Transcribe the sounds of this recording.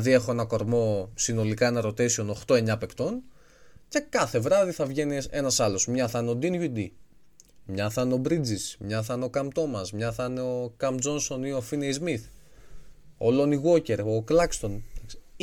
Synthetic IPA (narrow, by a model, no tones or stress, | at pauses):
ðie̞xo̞enɐko̞ɾmo̞sino̞likɐenɐɾo̞t̪isiono̞xt̪o̞e̞ɲɐpe̞kt̪o̞n | ce̞kɐθe̞vɾɐðiθɐvʝe̞nie̞nɐsɐlo̞smɲɐθɐneo̞d̪inʝud̪i | mɲɐθɐneo̞bɾid͡zismɲɐθɐne̞o̞kɐmt̪o̞mɐsmɲɐθɐneo̞kɐmd͡zo̞nso̞nioafinejzmiθ | olo̞niɣo̞ce̞ɾoklɐkst̪o̞nɐksi̥